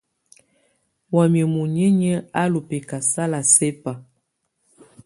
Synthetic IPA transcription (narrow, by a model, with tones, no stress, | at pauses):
wa˨m˨ə˨mu˨ɲe˦ɲɛ˦a˦lo˨pe˨ka˨sa˦la˨sɛ˦pa˨